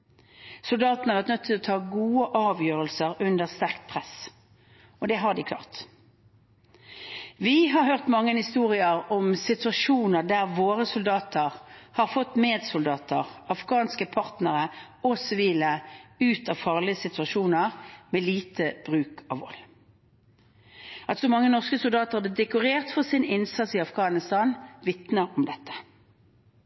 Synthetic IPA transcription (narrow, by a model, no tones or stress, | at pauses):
sʊld̪ɑːt̪n̩hɑʁʋæʁt̪nœt̪ʰːɪlɔt̪ʰɑːɡuːəʔɑːʋjøːʁəlsəʁʉnd̪əʁst̪æʁkt̪pʰʁɛs | ɔd̪ɛɦɑʁd̪ɪkʰlɑ̰ːʁt̪ | ʋɪɦɑʁɦøːʁt̪mɑŋːənhɪst̪uːʁɪəʁɔmsɪt̪ʉɑʃuːnəʁd̪æʁʋoːʁəsʊld̪ɑːt̪əʁhɑʁfɔt̪ːmeːd̪sʊld̪ɑːt̪əʁɑfɡɑːnskəpʰɑʁt̪nəʁə | ɔsɪʋiːləʉːt̪ɑʋfɑːʁlɪəsɪt̪ʉɑʃuːnəʁmeːliːt̪ʰəb̥ʁʉːkʰɑ̰ʋɔ̰lː | ʔɑt̪sɔmɑŋːənɔʁskəsʊld̪ɑːt̪əʁɑb̪ɪd̪ɛkʊʁeːʁt̪fɔʁsɪnɪnsɑt̪sɪɑfɡɑːnɪst̪ɑːnʋɪt̪nəʁɔmd̪ɛt̪ːə̥